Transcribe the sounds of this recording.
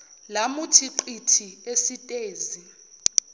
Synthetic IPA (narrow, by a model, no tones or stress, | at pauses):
lamutʰiǃitʰiesitʼeːzi